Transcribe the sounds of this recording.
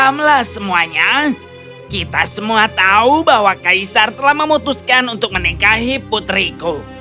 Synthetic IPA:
amlahsəmuaɲa | kit̪asəmuat̪aubahwakaisart̪əlahməmut̪uskanunt̪ʊk̚mənikaɦiput̪ɾiko

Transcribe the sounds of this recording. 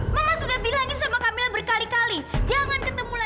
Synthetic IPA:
mamasudahbilaŋɪsamakamilbərkalikalid͡ʒaŋankət̪əmula

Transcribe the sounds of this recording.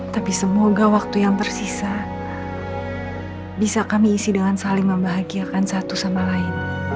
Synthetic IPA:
t̪apisəmoɡawak̚t̪ujaŋt̪ərsisa | bisakamiːsidəŋansaliŋməmbaɦaɡiakansat̪usamalaɪn

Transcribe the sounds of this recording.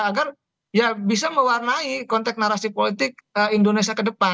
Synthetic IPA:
aɡar | jabis̬aməwarnaikɔnt̪ɛk̚naɾasipolit̪ɪk̚əindonesiakədəpa

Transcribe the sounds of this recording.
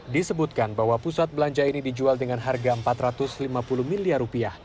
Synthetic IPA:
disəbut̪̚kanbaɦwapusat̪̚bəlaɲt͡ʃainidid͡ʒualdəŋanɦarɡaəmpat̪ɾat̪ʊslimapuluhmiliarupiah

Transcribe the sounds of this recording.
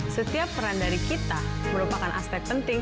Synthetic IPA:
sət̪iapːəɾandaɾikit̪aməɾupakanʔa̰spɛk̚t̪̚pənt̪ɪŋ

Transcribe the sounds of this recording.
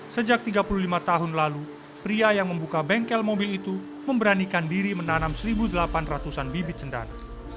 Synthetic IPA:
səd͡ʒak̚t̪iɡapululimat̪aɦʊnlalu | pɾiajaŋməmbukabɛŋkɛlmobilit̪u | məmbəɾanikandiɾimənanamsəɾibudəlapanrat̪usanbibɪt̪̚sənda̰ɾa

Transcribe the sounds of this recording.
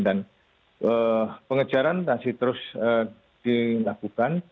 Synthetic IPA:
dan | əpəŋət͡ʃaɾant̪ansiht̪əɾʊsə | d̥ilakukan

